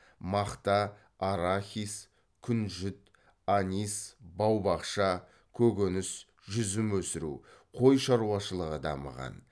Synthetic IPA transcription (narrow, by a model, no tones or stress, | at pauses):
mɑqt̪ɑː | ɾaxʲis | kʲʰʏnʒʏt̪ | anʲisbɑwbɑqʃɑ | kʲʰɵɡʲenɪs | ʒʏzɪmwɵsɪɾṵqʰo̞jʃɑɾuwɑʃəlˠəʁəd̪ɑ̰mə̰ʁɑ̰n